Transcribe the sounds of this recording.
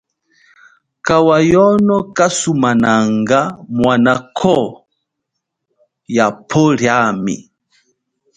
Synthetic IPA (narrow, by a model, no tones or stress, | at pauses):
kawajɔnɔkasumanaŋɡamwanakʰɔ | japʰɔɾjamḭ